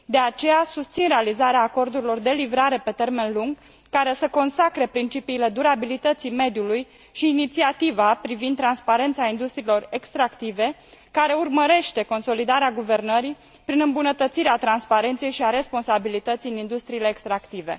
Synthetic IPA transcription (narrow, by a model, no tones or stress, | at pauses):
d̪e̞at͡ʃe̞jasust̪sinɾe̞alizaɾeaːko̞rd̪uɾilo̞rd̪e̞livɾaɾe̞pe̞t̪e̞rme̞nluŋɡ | kaɾe̞səko̞nsakɾe̞pɾint͡ʃipiːle̞d̪uɾabilit̪ət̪sime̞d̪juluj | ʃiːnit̪siat̪ivapɾivind̪t̪ːɾanspaɾe̞nt̪saind̪ust̪ɾiːlo̞re̞kst̪ɾakt̪ive̞kaɾe̞urməɾe̞ʃt̪e̞ko̞nso̞lid̪aɾeaɡuve̞rnəɾi | pɾinɨmbunət̪ət̪siɾeat̪ɾanspaɾe̞nt̪sejʃiaɾe̞spo̞nsabilit̪ət̪sijɨnind̪ust̪ɾiːle̞ːkst̪ɾakt̪ive̞̰